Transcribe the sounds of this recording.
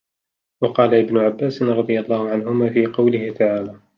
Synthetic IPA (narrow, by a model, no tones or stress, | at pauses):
wɑqɑːlaʔɪbnʊʕabːaːsɪnɾˤɑd̪ˤɨjalˤːɑːhʊʕanɦʊmaːfiːqɑwlɪhɪt̪ʰaʕaːlaː